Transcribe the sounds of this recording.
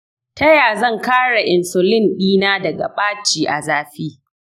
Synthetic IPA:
tɐ˦jaː˨zɐ˦˨ŋkaː˦ɽa˨ʔɪ˨nsʊ˨lɪ˦nɗiː˦naː˦dɐ˨ɡa̰˨ɓʼaː˦t͡ʃiː˨ʔa˨zaː˦ɸiː˦

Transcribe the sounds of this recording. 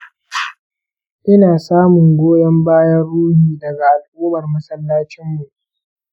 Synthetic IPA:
ʔɪ˦naː˨saː˦mʊ˨ŋɡʷoː˦jɐ˦mbaː˦jɐ˦nɽuː˦hiː˨dɐ˨ɡa˨ʔa˨lʔuː˦mɐ˨rmɐ˦sɐ˦lːaː˦t͡ʃɪ˦mːu˨ʔ

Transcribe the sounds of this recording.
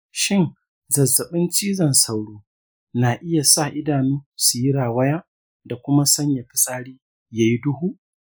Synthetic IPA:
ʃɪ˦n | zɐ˨zːɐ˨ɓɪ˦nt͡ʃiː˦zɐ˨nsa˦˨wɽuː˦ | naː˨ʔɪ˦ja˨sa˦˨ʔɪ˦daː˨nuː˦su˨ji˦ɽaː˨wɐ˦jaː˦ | da˨kʷʊ˦ma˦sɐ˦ɲja˨ɸɪ̥˦sʼaː˦ɽiː˦ | jaː˨ji˦dʊ˦huː˦ʔ

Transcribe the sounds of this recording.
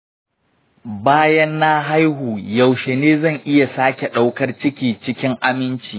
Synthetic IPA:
baː˦jɐ˦nːa˦ɦa˦jɦuː˨jɐ˨wʃe˨neː˦zɐ˦˨ŋʔɪ˦ja˨saː˦kʲe˨ɗa˦wkɐ˦rt͡ʃɪ˦kʲiː˨t͡ʃɪ˦kʲɪ˦ŋʔa˦mɪ˦nt͡ʃiː˨

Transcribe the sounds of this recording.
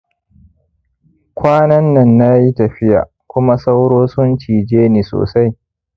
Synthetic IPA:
kʷʰaː˦nɐ˦nːɐ˨nːaː˦ji˦tɐ˨ɸɪ˦ja̰ː˨ | kʷʊ˦ma˦sa˦wɽoː˦sʊ˦nt͡ʃiː˨d͡ʒeː˦niː˨so̰ː˨sa˦j

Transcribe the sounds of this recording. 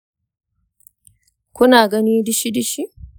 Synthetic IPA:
kʷʊ˦naː˨ɡɐ˦niː˦dɪ˦ʃi˦dɪ˦ʃi˦

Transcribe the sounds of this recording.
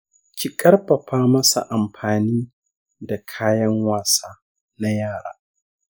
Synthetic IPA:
cʲi˨kʼɐ˦rɸɐ˨ɸaː˦mɐ˦sa̰˨ʔa˨mɸaː˨niː˦ | da˨kʰaː˦jɐ˦ŋwaː˨saː˦ | na˦jaː˦˨ɽa̰ː˦

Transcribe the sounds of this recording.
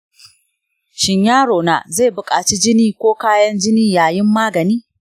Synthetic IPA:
ʃɪ˨ɲjaː˦ɽoː˨na̰˨zeː˦˨bʊ˨kʼaː˨t͡ʃiː˦d͡ʒɪ˦niː˦kʷoː˦kaː˦jɐ˦nd͡ʒɪ˦niː˦jaː˨jɪ˦mːaː˦ɡɐ˨niː˦

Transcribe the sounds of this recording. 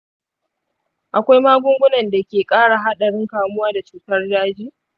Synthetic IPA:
ʔa˨kʷa˦jmaː˦ɡʷʊ˦ŋɡʷʊ˦nɐ˨nda˨kʲeː˨kʼaː˦ɽa˨ɦa˦ɗɐ˨ɽɪ˦ŋkaː˨mʊ˦waː˦da˨t͡ʃuː˦tɐ˦rdaː˦d͡ʒiː˦

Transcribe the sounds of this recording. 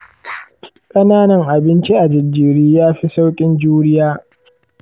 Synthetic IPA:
kʼɐ˦naː˦nɐ˨ŋʔa˨bɪ˦nt͡ʃi˦ʔa˨d͡ʒɪ˨dːiː˨ɾiː˦jaː˦ɸi˦sa˦wkʲʼɪ˦nd͡ʒuː˦ɽɪ˦jaː˦

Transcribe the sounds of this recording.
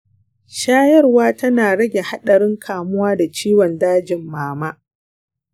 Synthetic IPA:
ʃaː˦jɐ˦rwaː˦tɐ˦naː˨ɽɐ˦ɡʲe˨ha˦ɗɐ˨ɾɪ˦ŋkʰaː˨mʊ˦waː˦da˨t͡ʃiː˦wɔ˨ndaː˦d͡ʒɪ˨mːaː˨ma˦

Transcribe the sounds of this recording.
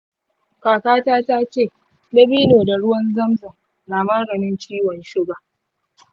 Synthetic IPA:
kaː˨kaː˦taː˦taː˦t͡ʃeː˦˨ | lɐ˦biː˦noː˨da˨ɽʊ˦wɐ˦nzɐ˦mzɐ˨ŋ | naː˨mɐ˦ɽɐ˨mɪ˦nt͡ʃiː˦wɔ˨nʃɪ˦ɡa˨

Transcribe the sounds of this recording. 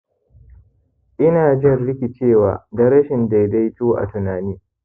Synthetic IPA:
ʔɪ˦naː˨d͡ʒɪ˦ɐ˦˨rlɪ˦kʲi˨t͡ʃeː˦˨waː˨dɐ˦ɾɐ˦ʃɪ˨nda˨jda˦jtuː˦ʔa̰˨tʊ˨naː˨niː˦

